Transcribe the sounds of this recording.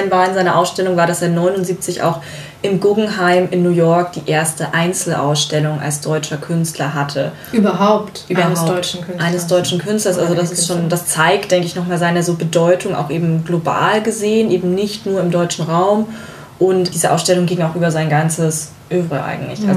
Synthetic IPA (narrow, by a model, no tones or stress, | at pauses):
nvaːɐɪnzaɪnɐʔaʊsʃtɛlʊŋvaːɐɾaseːɐnɔʏnʊntziːp̚t͡sɪçʔa̰ʊx | ʔɪmɡʊɡŋ̩ɦaɪmɪnːuːjɔɐk̚d̥iːʔeːɐstəʔaɪnt͡sl̩ʔa̰ʊsʃtɛlʊŋa̰lsd̥ɔʏt͡ʃɐkʰʏnstʰlɐɦatʰə | yːbɐɦaʊptʔyːbɐadɔkʰʔaɪnəsd̥ɔʏt͡ʃn̩kʰʏnstlɐsʔalzodasɪstʃoːnd̥ast͡saɪkt̚d̥ɛŋkəɪçnɔχmaːlzaɪnɐzoːbədɔʏtʊŋʔa̰ʊxʔeːbm̩ɡloba̰ːlɡəzeːənʔeːbm̩nɪçtnuːɐɪmdɔʏt͡ʃn̩ʁaʊm | ʔʊntd̥iːzəʔaʊsʃtɛlʊŋɡɪŋaʊxʔyːbɐzaɪnɡant͡səs | ʔøːvʁəʔa̰ɪɡŋ̩tlɪ̰çʔalz